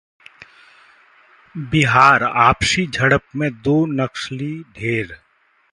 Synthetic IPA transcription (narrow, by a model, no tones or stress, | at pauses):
bɪɦaːɾaːpʃid͡ʒʱɐɽəpmẽd̪oːnəkʃliɖʱeːɾ